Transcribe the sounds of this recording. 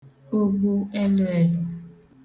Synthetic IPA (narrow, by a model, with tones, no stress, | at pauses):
o˦ɡ͡bo˦ɛ˦lɛ˨li˨